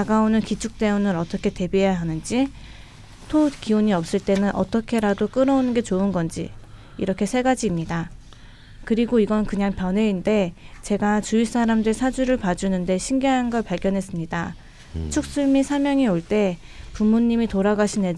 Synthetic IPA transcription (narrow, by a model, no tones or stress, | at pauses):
aɡaonɯnkit͡ɕʰuk̚t͈e̞unɯɾʌt͈ʌkʰe̞te̞biejaɦanɯnd͡ʑi | tʰokiuɲiʌp̚s͈ɯɭt͈e̞nɯnʔʌ̰t͈ʌkʰe̞ɾadok͈ɯɾʌonɯnɡe̞t͡ɕoɯnɡʌnd͡ʑḭ | ḭɾʌkʰe̞sʰe̞ɡad͡ʑiːmɲida | kɯɾiɡoiɡʌnnkɯɲaŋpjʌne̞inde̞t͡ɕe̞ɡat͡ɕuis͈aɾamdɯɾisʰad͡ʑuɾɯɭpad͡ʑunɯnde̞ɕʰiŋɡeɦanɡʌɭpaɭɡjʌnɦe̞s͈ɯmɲida | t͡ɕʰuk̚s͈uɭmisʰamjʌŋioɭt͈e̞ | pumːuɲːimitoɾaɡaɕʰine